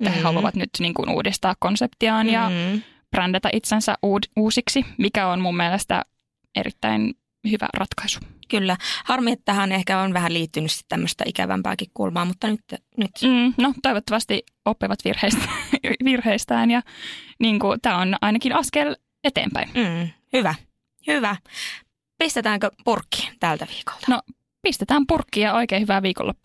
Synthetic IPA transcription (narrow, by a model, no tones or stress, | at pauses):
eæhehɑluɑʋɑ̰t̪nyt̪niːŋkunṵːdist̪ɑːkkonsept̪iɑːnjɑ | prændæt̪æʔit̪sensæ̰ʔʔuːuːsiksimikæonmumːielest̪æ̰ | ʔḛɾḭt̪ːæ̰in | hyʋæ̰rʔɑt̪kɑisu̥kylːæhɑrmiet̪ːæhænehkæonʋæhæliːt̪ːynysi̥t̪t̪æmːøst̪ɑ̰ikæ̰ʋæ̰mpæ̰ːkikkṵlmɑːmut̪ːɑnyt̪ː | nyt̪m̩ːnot̪oiʋot̪ːɑʋɑst̪i | opːiʋɑt̪ʋḭrheist̪æʋirheist̪æːnjɑniːŋkut̪æːonɑ̰inɑkinɑskel | et̪ḛːmpæ̰inː | hyʋæ | hyʋæ | pist̪et̪æːŋkøpurkːi̥t̪ælt̪æʋi̥ːko̥lt̪ɑno | pist̪et̪æːmpurkːijɑoikeːhyʋæʋiːko̰lːɑ̰